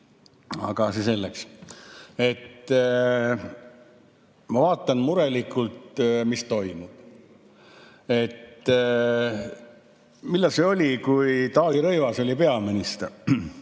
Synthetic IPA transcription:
ɑ̰ɡ̥ɑsese̞lːeks | e̞t̪ː | mɑvɑːt̪ːˑɑnmuɾe̞likˑːult̪mist̪o̞jmud̥ | e̞t̪ː | milːɑseo̞lʲikujt̪ɑːliɾɤjvɑso̞lʲipe̞ɑmenist̪

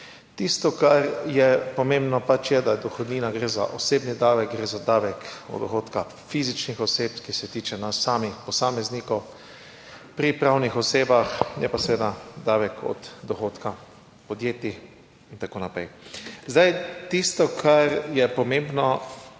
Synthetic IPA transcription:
t̪ist̪ɔkaɾjɛpɔmẽmbnɔpat͡ʃjɛd̪ad̪ɔxɔd̪niːnaɡɾeːza̰ʔɔseːbnid̪aːʋɛk̚ɡɾeːzad̪aːʋɛkɔ̰d̪d̪ɔxoːt̪ka | fiːzit͡ʃnixɔseːpkisɛt̪iːt͡ʃɛnasːaːmixpɔsaːmɛznikɔw | pɾipɾawnixɔseːbaxnɛ̰pasɛʋeːd̪ad̪aːʋɛkʰɔ̰d̪d̪ɔxoːt̪ka | pɔd̪jeːt̪i | int̪akoːnapɾɛjzd̪ajt̪ist̪ɔkʰaɾjɛpɔmẽmbnɔ

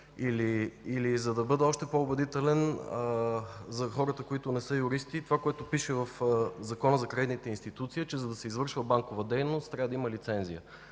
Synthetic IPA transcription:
iliːlizɐd̪ɐbɤd̪ɛɔʃt̪ɛpoʊbɛd̪it̪ɛlɛn | zɐxɔɾət̪əkoit̪onɛsɤjʊɾist̪it̪ovakoɛt̪opiʃɛvɐfzɐkɔnəzɐkɾɐɛd̪nit̪ɛinst̪it̪ut̪siit͡ʃɛzɐd̪ɐsɛizvɤɾʃvəbaŋkovəd̪ɛjnost̪ːɾʲavəd̪ɐiməlit̪sɛnzijə

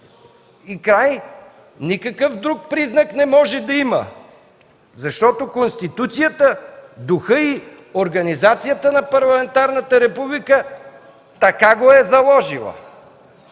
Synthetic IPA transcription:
ikɾaj | nikɐkəfd̪ɾuk̚pɾiznɐknɛmɔʒɛd̪ɐimə̰ | zɐʃt̪ɔt̪okonst̪it̪ut̪sijət̪əd̪ʊxəi | oɾɡɐnizat̪sijət̪ənɐpɐɾlˠɐmɛnt̪aɾnət̪əɾɛpublikə | t̪ɐkaɡoɛzɐlˠɔʒḭlˠə̰

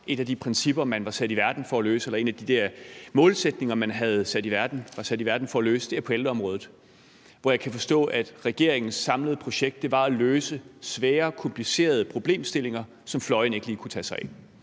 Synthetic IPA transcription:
ʔe̝d̥æd̥ipʰʁɛnsib̥ɐmænʋɑ̈sæd̥iʋæɐd̥n̩fɒ̽æløːsəelɐe̝ːnæd̥id̥æɐmɔ̽ːlsed̥ne̝ŋɐmænɦæð̞̩ˠsæd̥iʋæɐd̥n̩ʋɑ̈sæd̥iʋæɐd̥n̩fɒ̽ælø̰ːsd̥e̝ɐpʰɒ̽eld̥əɒ̽mʁɔ̽ːðˠð̩ˠ | ʋɒjɑ̈ɪkʰæfɒ̽sd̥ɔ̰̽ːʔæd̥ʁɛɡ̥e̝ɐ̰e̝ŋn̩sːɑ̈mləð̞ˠpʰʁo̝ɕeɡ̥d̥eʋɑ̈æløːsəsʋɛːɐkʰɒ̽mpʰlise̝̰ːɐð̞ˠəpʰʁo̝b̥le̝̰ːmsd̥e̝le̝ŋɐ | sɒ̽mflɒ̽ɪn̩e̝ɡ̥əliːkʰut͡sʰɛ̰ːsɑ̈ɪ

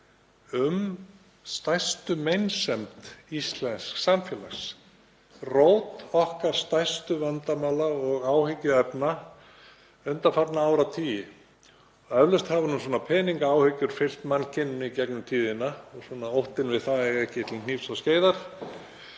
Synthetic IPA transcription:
ʏm | st̪ajst̪ʏmejnsɛmt̪ist̪lɛnsksamfjɛːlaxs | rowt̪ɔhkaɾ̥st̪ajst̪ʏvant̪amaːlaɔɣaːwhɪcʏɛpna | œnt̪afat̪naaːwɾawt̪ʰiːjɪ | œvlʏst̪havanʏmswɔːnapʰɛːniŋkaaːwhɪcʏɾ̥fɪl̥t̪mancʰɪnːʏnicɛknʏmt̪ʰiːðɪnːaɔsɔnaowht̪ɪnvɪðθaðɛɛhcɪt̪ʰɪlkʰniːfsasceːjðaɾ̥

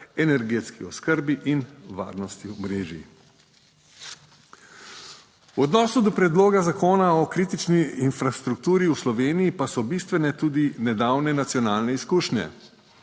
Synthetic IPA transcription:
ɛnɛɾɡet̪skiɔskəɾbiʔinʋa̰ːɾnɔst̪imɾeːʒi | wɔd̪nɔːsud̪ɔpɾɛd̪loːɡazakoːnaɔkɾiːt̪it͡ʃniːnfɾast̪ɾuk̚t̪uːɾiuslɔʋeːnijipasɔbist̪ʋɛnɛt̪uːd̪inɛd̪awnɛnat̪sjɔnaːlnɛiskuːʃnʲɛ̰

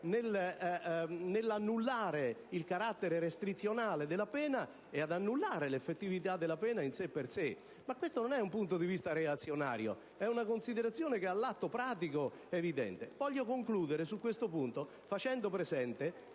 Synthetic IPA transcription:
nɪl | nelːanːulːaːɾeilkaɾat̪ːeɾeɾest̪ɾit̪sːjonaːled̪ɪlapɛːna | ead̪anːulːaːɾelefːet̪ːivit̪ad̪ːelapɛːnainsepːerse | makːwest̪ononɛumpunt̪od̪ivist̪aɾeat̪sːjona̰ːɾjo̰ | ɛunakonsiðeɾat̪sːjoːnekealːat̪ːopɾaːt̪iko | evid̪ɛ̰nt̪ḛvɔʎːokoŋkluːd̪eɾesukːwest̪opunt̪o | fat͡ʃɛnd̪opɾezɛnt̪e

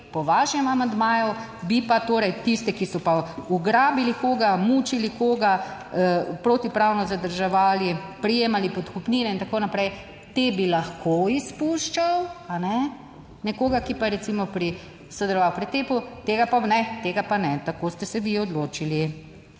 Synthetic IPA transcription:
pɔʋaːʃɛmɐmand̪maːju | bipat̪oːɾɛjt̪ist̪ɛkisɔpauɡɾaːbilikoːɡamut͡ʃilikoːɡa | pɾot̪ipɾawnɔzad̪əɾʒɛʋaːlipɾijeːmalipɔt̪kupniːnɛint̪akoːnapɾɛj | t̪ebilaxkʰoispuʃt͡ʃawanɛ | nɛkoːɡakipaɾɛt̪simɔpɾi | sɔd̪ɛlɔʋawpɾit̪eːput̪eːɡapanɛt̪eːɡapanɛt̪akoːst̪ɛsɛʋiɔd̪loːt͡ʃili

